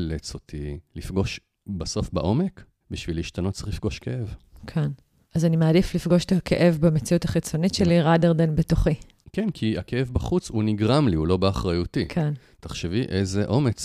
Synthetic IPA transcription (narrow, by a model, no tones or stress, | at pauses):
let͡so̞tʰilifɡo̞ʃ | baso̞fbaʔo̞me̞k | biʃviliʃtanot̪t͡sḁχlifɡo̞ʃkeʔevkʰen | azanimeadiflifɡo̞ʃe̥takʰḛʔe̞vbame̞t͡siutaχit͡so̞nitʃe̞liʁadeʁdenbetoχi | kenkʰiakeevbaχut͡shuniɡʁamliulo̞beaχʁajutikʰen | taχʃeviʔezeʔo̞me̞t͡s